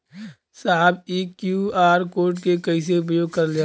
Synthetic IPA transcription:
saːbiːkjuaːɾkoːɾʈkekɐis̬eʊpjoːɡ̚kɐɾle

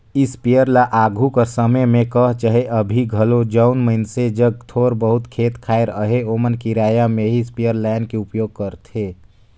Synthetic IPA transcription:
ɪspijəɾlaʔaɡʱukəɾsəməjmẽkəɦt͡ʃaɦeʔəbʱiɡʱəlod͡ʒəʊnməɪnsed͡ʒəɡ̚t̪ʰoːɾbəɦut̪kʰeːt̪kʰaːɪɾəɦeomənkiɾaːjameɦispijəɾlaɪnkeupjoːɡ̚kəɾt̪ʰe

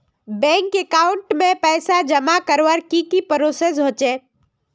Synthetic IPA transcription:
bɛ̃ŋkekaʊɳʈmẽpɛːsad͡ʒəmakəɾʋəɾkikipəɾoses̬ɦoːt͡ʃe

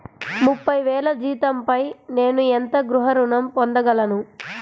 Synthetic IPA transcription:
mupːɐjʋɛːlɐd͡ʒiːt̪ɐmpɐjne̞ːnuent̪ɐɡɾuɦɐɾuɳɐmpond̪ɐɡɐlɐnu

